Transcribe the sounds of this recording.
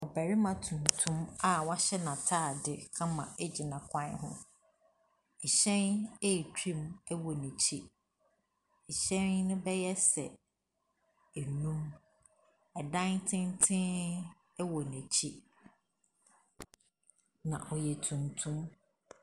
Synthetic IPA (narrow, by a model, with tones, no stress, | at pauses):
ɔ˨bæ˨ɾi˦mã˨tʰũ˨ntʰũ˦ma˨wa˦ɕɛ˦nã˨tʰaː˦˨dɪ˦kʰã˦mã̰˨ɛ˦d͡ʑi˨nã˨kʷʰã˦ɦʊ̰̃˦˨ | ɕɛ̃˦ne˦˨t͡ɕᶣĩ˦˨mɛ˦wɔ˨næ̃˨t͡ɕʰi˦ | ɛ˨ɕɛ̃˦nnʊ̃˦bɛ˦jɛ˦sɛ̰˨ | ɛ˨nũ˦m | ɛ˨dã˦ŋtʰɪ̃˦ntʰɪ̃˦ | wɔ˨næ̃˨t͡ɕʰi˦ | nã̰˨ʔɔ˨jɛ˨tʰũ˨ntʰũ˦m